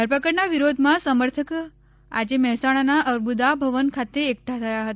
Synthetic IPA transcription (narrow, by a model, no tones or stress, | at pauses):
d̪ʱəɾpəkəɾnaʋiɾod̪ʱmãsəməɾt̪ʰək | a̰d͡ʒemɛɦsaɽ̃anaʔəɾbud̪abʱəʋənkʰat̪eːkəʈʰat̪ʰəjaɦət̪a